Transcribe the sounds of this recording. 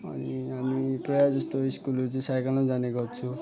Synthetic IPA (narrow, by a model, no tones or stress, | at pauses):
ʌ̰niɦamipɾʌjad͡zʌst̪oiskulut͡sisajkalõd͡zaneɡʌt͡sʰũ